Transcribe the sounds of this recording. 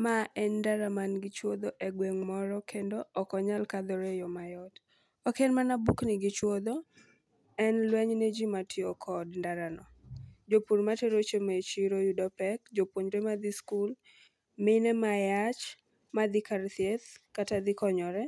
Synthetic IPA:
maʔɛndaɾamanɡɪt͡ʃwod̪oʔeɡweŋmɔɾɔkʰendoːkɔɲalkad̪ɔɾejɔmajɔd | ɔkenmanabuknɪɡɪt͡ʃwod̪o | ɛnlwɛɲned͡ʒimatʰiɔkʰɔdndaɾanɔ | d͡ʒopuɾmateɾot͡ʃemet͡ʃiɾojudɔpɛkd͡ʒopwoɲɾemad̪ɪskul | mɪnɛmajat͡ʃ | mad̪ɪkart̪iet̪katad̪ɪkɔɲɔɾɛ

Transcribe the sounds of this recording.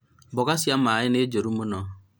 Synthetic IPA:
bɔɡasiam̩majɪned͡ʒeɾumunɔ

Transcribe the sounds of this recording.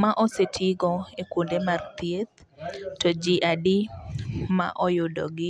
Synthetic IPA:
maʔɔsetʰɪɡɔekwondemart̪jet̪ | tɔd͡ʒiʔadi | ma̰ʔɔjʊdɔ̰ɡɪ

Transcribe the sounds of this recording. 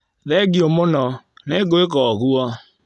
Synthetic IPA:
ðɛɡiomonɔneɡoekɔɣuɔ

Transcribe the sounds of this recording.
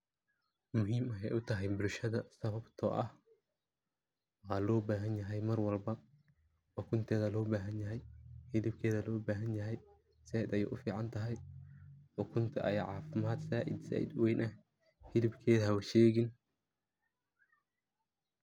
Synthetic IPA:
mʊɦiːmɐɛjʔʊt̪ʰɐɦɛjbʊlʃɐðɐsɐβɐbt̪ʰɔ̰ːʔɐh | waːlɔːbaːɦɐnjɐɦɛjmɐrwɐlbɐ | wɑkʰʊnt̪ʰɛːðɐlɔːbaːɦɐnjɐɦɛjhɪðɪb̚kʰɛːðɐlɔːbaːɦɐnjɐɦɛj | sɛːɪd̪ɐjṵːʔʊ̰fiːʕɑnt̪ʰɐɦɛj | wɔːkʰʊnt̪ʰɐʔɐjʕɑːfɪmaːd̪saːʔɪ̰d̪sa̰ːʔɪ̰d̪wɛjnʔɐh | hɪðɪbkʰɛːðɐɦɐwɐʃɛːɣɪn

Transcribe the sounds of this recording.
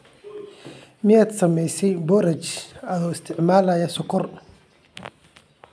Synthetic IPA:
mɪaːd̪sɐmɛjsɛjbɔɾɐt͡ʃɐðɔːɪst̪ʰɪʕmaːlajɐsɔkʰɔr

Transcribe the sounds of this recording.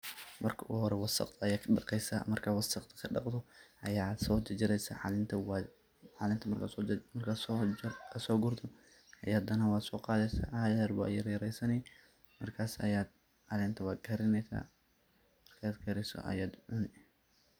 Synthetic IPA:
mɐrkʰɐʔʊhɔɾɛwɑsɐ̰qt̪ʰɐɐjaːkʰɐɗɑqɛjsa̰mɐrkʰawɑsɑqt̪ʰɐ̥kʰɐɖɑqt̪ʰɔʔɐjaːsɔt͡ʃɐd͡ʒɐɾɛjsɐ̰ʕa̰lɪnt̪ʰɐw | ħaːlɪnt̪ʰɐmɐrkʰasɔmɐrkʰaː | sɔːɡʊrt̪ʰɔ | ɐjaːd̪ɐnɐwɑːsɔːqɑːðɛsa̰ʔajɐrba̰jɐɾjɐɾɛjsɐnɛj | mɐrkʰaːsɐ̰jaːd̪ | ʔɐlɛnt̪ʰɐwɑːd̪ɡʰɐɾɪnɛsa̰ | mɐrkʰad̪ɡɐɾɛsɔ̰ʔɐ̰jaːd̪ʕʊnɪ

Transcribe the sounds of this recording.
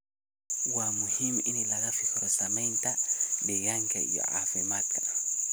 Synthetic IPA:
wamuhiminilaɣafifɔɾɔsamɛntabejaŋka̰jɔ̰ʕa̰fimat̪kḁ

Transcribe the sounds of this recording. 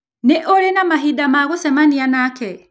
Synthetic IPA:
neʔoɾenamaɦidamaɣosɛmanianakɛ

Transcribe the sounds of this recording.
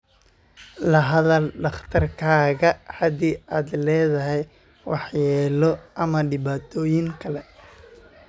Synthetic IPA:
lɐɦɐðɐlɖɑχt̪ʰɐrkʰaːɣɐhɐd̪iːaːd̪lɛːðɐɦɛj | wɑħjɛːlɔʔɐmɐɖɪβaːt̪ʰɔːjɪŋkʰɐlɛ

